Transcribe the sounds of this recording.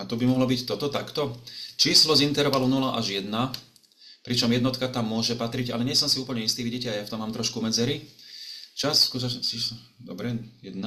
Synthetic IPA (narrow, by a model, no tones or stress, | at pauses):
at̪ubimɔɦlɔbict̪ɔt̪ɔt̪akt̪ɔt͡ʃiːslɔzint̪ɛɾʋalunulaʔaʒjɛd̪na | pɾit͡ʃɔmjɛd̪nɔt̪kat̪amːʊɔʒɛpat̪ɾiɟa̰lɛɲɪɛsɔmsiuːpl̩ɲɛist̪iʋiɟicɛajaft̪ɔmːaːmt̪ɾɔʃkumɛd͡zɛɾi | t͡ʃasskut̪ɔt͡ʃis | d̪ɔbɾɛjɛd̪na